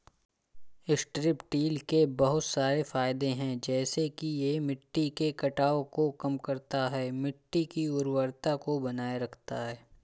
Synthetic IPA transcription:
ɪsʈɾɪpʈiːlkebɐɦʊt̪saːɾefaːjɪd̪ẽɦɛ̃d͡ʒɛːsekijemɪʈːikekɐʈaːokokɐmkɐɾt̪aɦɛːmɪʈːikiʊɾwəɾt̪akobɐnaːjaɾɐkʰt̪aɦɛː

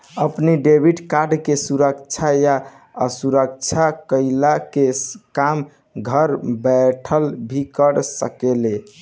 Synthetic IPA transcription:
əpniɖebʱiɖkaɖkesuɾəkt͡ʃʰaja | əsuɾək̚t͡ʃʰakəɪlakekam | ɡʱəɾbɛʈʰəlbʱikəɾsəkele

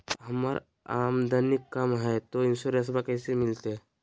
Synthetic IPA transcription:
ɦəma̰ɾ | amd̪ʱanikːəmɦat̪oinsoɾẽs̬bakə̃jsemɪlt̪e

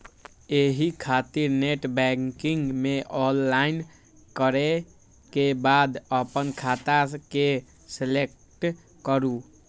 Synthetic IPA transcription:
eɦikʰat̪iɾneʈbɛŋkiŋɡmeʔɔlːain | kəɾe | kebad̪əpənkʰat̪ake | selek | ʈ | kəɾu

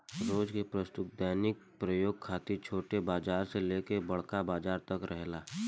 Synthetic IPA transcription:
ɾoːd͡ʒkepɾəst̪ʊt̪̚d̪ɛːnɪk̚pɾəjoːɡ̚kʰːaːt̪it͡ʃʰoːʈebaːd͡ʒaːɾseleːkebɐɽ̤kabaːd͡ʒaːɾt̪ɐkɾʔɛɦlaː

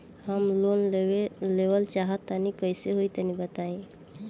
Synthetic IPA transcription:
həmloneleʋəlt͡ʃaɦət̪ːanikəjseɦoit̪ənibət̪aĩ

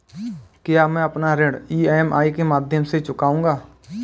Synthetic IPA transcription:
kɪjaːmɛ̃ːəpnaɾeːɽiːeːmʔa̰ːikemaːd̪ʱjəmset͡ʃʊkaːũːŋɡaː

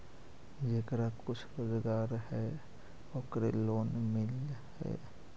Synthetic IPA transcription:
d͡ʒekɾakʊt͡ʃʰɾoːzɡaːɾhɛ | okɾḛloːnmɪlhɛ̰ː

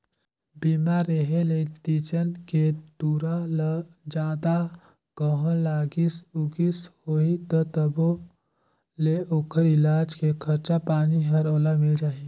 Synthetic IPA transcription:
biːmaɾeɦelet̪iːt͡ʃənket̪uːɾal | d͡ʒaːd̪a | ɡ̥əɦɔ̃laːɡisuɡishoːit̪ɔt̪əbo | leʔoːkʰəɾɪlaːd͡ʒkekʰɐɾt͡ʃapaːniɦɐɾoːlamɪld͡ʒaːɦi

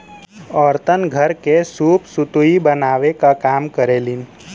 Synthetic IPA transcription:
ɔːɾt̪ənɡʱəɾkesuːpsʊt̪uibənaːʋekakaːmkəɾeːlin

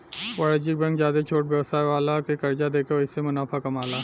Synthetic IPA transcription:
waːɽd͡ʒɪk̚bɛ̃ŋkzjaːd̪et͡ʃʰoːʈ̚bjɐʋsaːjʋaːlakekɐɾd͡ʒad̪eːkʰeoɪsemʊnaːfʰakɐmaːlaː

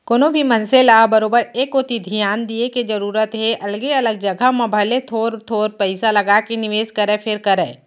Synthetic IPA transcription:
koːnobʱimɐnselaːbəɾoːbəɾeːkoːt̪id̪ʱijaːnd̪ieked͡ʒɐɾuːɾət̪ɦeʔɐlɡeɐləɡ̚d͡ʒɐɡʱamẽbʱɐlet̪ʰoːɾt̪ʰoːɾpɛɪsalɐɡakinɪʋeːzkɐɾẽpʰɪɾkəɾḛː

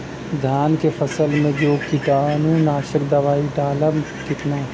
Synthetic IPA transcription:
d̪ʱjaːnkefʰɐsəlmẽd͡ʒoːkit̪aːnũnaːʃəkd̪ɐʋaːit̪aːləm | kɪt̪naː

